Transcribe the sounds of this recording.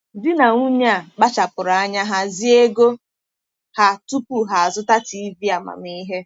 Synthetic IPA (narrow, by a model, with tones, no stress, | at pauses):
dɪ˦na˨ŋu˦ɲa˦˨ɡ͡ba˦t͡ʃa˨pʊ˨ɾa˨a˦ɲa˦ɦa˦zi˦e˦ɡo˦ | ha˨tu˦pu˨ɦa˨a˨zʊ˦ta˦ti˨i˦vi˦a˨ma̰˨m˨i˦ɦe˦